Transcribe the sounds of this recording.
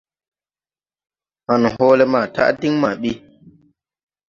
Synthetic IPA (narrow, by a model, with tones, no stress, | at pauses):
ha˨n˨ɦɔː˦le˦maː˨ta̰˦ʔdi˦ŋma˨ɓi˦